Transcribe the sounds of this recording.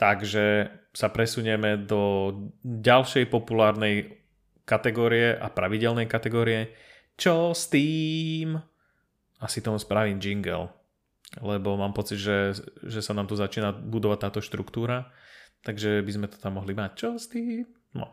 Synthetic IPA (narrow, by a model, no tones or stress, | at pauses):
t̪aɡʒɛsapɾɛsuɲɛmɛd̪ɔ | ɟalʃɛjpɔpulaːɾnɛj | kat̪ɛɡɔːɾijɛʔa̰pɾaʋiɟɛlnɛjkat̪ɛɡɔːɾijɛ | t͡ʃɔst̪iːm | asit̪ɔmuspɾaʋiːmd͡ʒiŋɡɛ̰l | lɛbɔmaːmpɔt͡sid̪ʒɛʒɛsanaːmt̪uzat͡ʃiːnabud̪ɔʋat̪ːaːt̪ɔʃt̪ɾṵkt̪uːɾat̪aɡʒɛbizmɛt̪ɔ̥t̪amːɔɦlimact͡ʃɔst̪iːm | nɔ̰